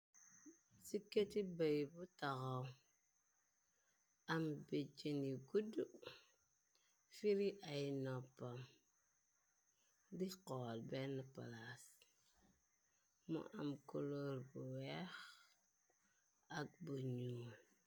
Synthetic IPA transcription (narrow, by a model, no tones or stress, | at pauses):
siketibajbutaɣaw | ambed͡ʒeniɡudu | fiɾiʔajnopːam | diqoːlbenːəpa̰las | mṵʔa̰mkoloɾbuwɛx | ak̚buɲuːl